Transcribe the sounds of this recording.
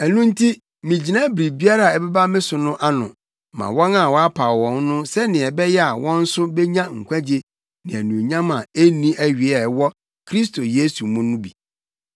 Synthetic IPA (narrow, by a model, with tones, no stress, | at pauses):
æ˨nũ˦n̩˦tʰi˦ | mĩ˨d͡ʑi˨nã˦bɾi˨bi˦a˦ɾa˨ɛ˨bɛ˦ba˦mɪ̃˦sʊ˨nʊ̃˦ʔa˦nʊ̰̃˨ | mã̰˨wɔ̃˦na˨wɔ˦a˦pʰa˨wɔ̃˨nnʊ̃˦sɛ˦nɪ̃˨ɛ˨bɛ˦jɛ˦a˨wɔ̃˦n̩˦sʊ˦bɛ˦ɲã˦ŋ̩˨kʷʰæ̃˦d͡ʑe˦ | nɪ̃˨æ˨nũ˨o˨ɲã˦mã˨e˦nĩ˦ʔæ˦ɥi˨ɛ˨wɔ˦ | kʰɾi˦sto˨je˦su˨mʊ̃˦nʊ̃˦bi˨